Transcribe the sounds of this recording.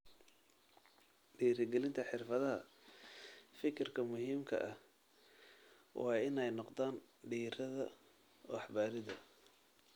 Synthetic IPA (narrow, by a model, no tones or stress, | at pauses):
ɖiːɾɐɡɛlɪnt̪ʰɐħɪrfɐðɐɦɐ̰ | fɪkʰɪrkʰɐmʊɦiːmkʰɐ̰ʔɐh | wʔɑːɪnɛjnɔqd̪aːnɖiːɾɐðɐ | ɔːɑħbaːɾɪðɐ